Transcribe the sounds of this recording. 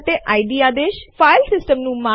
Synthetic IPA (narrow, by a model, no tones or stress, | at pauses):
t̪eːʔaːiɖiːaːd̪eːʃfʰaːɪlsɪsʈəmnũːmã